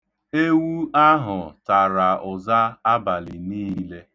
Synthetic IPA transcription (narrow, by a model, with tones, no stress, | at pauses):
e˦wu˦a˦ɦʊ˨ta˨ɾa˨ʊ˨za˦a˦ba˨lɪ˨niː˦le˦